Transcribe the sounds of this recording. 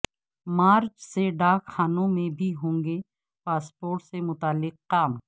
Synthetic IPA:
maːɾt͡ʃseɖaːkxaːnõmẽbʱiɦõːŋɡe | paːspoːɾʈsemʊt̪aːlɪqːaːm

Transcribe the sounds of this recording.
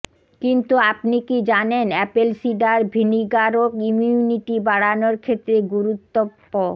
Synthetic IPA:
kint̪uapnikid͡ʑanenɛpelsiɖaɾbʱiniɡaɾokimuuniʈibaɽanoɾkʰet̪ːɾeɡuɾut̪ːopːo

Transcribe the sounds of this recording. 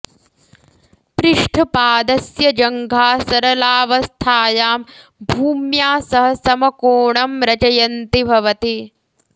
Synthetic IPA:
pɾɪʂʈʰɐpaːd̪ɐsjɐd͡ʒɐŋɡʱaːsɐɾɐlaːʋɐst̪ʰaːjaːm | bʱuːmjaːsɐɦɐsɐmɐkoːɳɐmɾɐt͡ʃɐjɐnt̪ibʱɐʋɐt̪i

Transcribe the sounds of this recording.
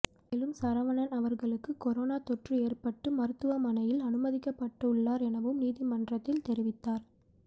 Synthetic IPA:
meːlɯmsɐɾɐʋɐɳɐnɐʋɐɾɣɐɭɯkːɯkːɔɾoːnaːt̪ɔʈrɯeːrpɐʈːɯmɐɾɯt̪ːɯʋɐmɐnɐjɪlɐnɯmɐðɪkːɐpːɐʈːɐʊɭːaːɾɛnɐʋɯmniːðɪmɐndrɐt̪ːɪlt̪ɛɾɪʋɪt̪ːaːɾ

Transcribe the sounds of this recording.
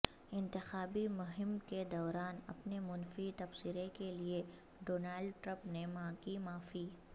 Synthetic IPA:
ɪ̃nt̪ɪxaːbimʊɦɪmked̪ɔːɾaːnɐ̰pnemʊnfit̪ɐfsiɾekelie | ɖoːnaːlɖʈɾə̃mpnemãːkimaːfi

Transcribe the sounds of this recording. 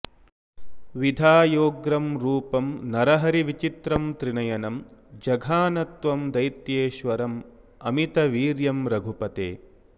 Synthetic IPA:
ʋid̪ʱaːjoːɡɾɐmɾuːpɐmnɐɾɐɦɐɾiʋit͡ʃit̪ɾɐmt̪ɾinɐjɐnɐmd͡ʒɐɡʱaːnɐt̪ʋɐmd̪ɐjt̪jeːʃʋɐɾɐm | ɐmit̪ɐʋiːɾjɐmɾɐɡʱupɐt̪ḛː

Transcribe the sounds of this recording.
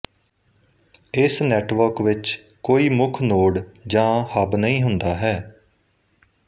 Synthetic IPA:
ɪsnɛːʈʋəɾkʋɪt͡ʃkoːiːmʊkʰnoːɽd͡ʒãːhəbnəĩːɦʊnd̪aːɦɛː

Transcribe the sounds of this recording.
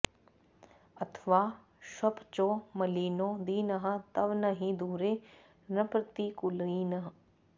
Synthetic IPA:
ɐt̪ʰʋaː | ʃɐpt͡ʃoːmɐliːnoːd̪iːnəɦə̆t̪ɐʋnɐɦĩd̪uːɾeː | nɐpɾɐt̪ikʊliːnəɦ

